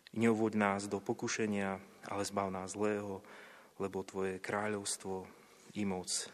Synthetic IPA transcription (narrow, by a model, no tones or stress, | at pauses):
ɲɛɔʋʊɔɟnaːzd̪ɔpɔkuʃɛɲɪaʔa̰lɛzbaʊnaːzlɛːɦɔ | lɛbɔt̪ʋɔjɛkɾaːʎɔʊst̪ʋɔ | imɔt͡s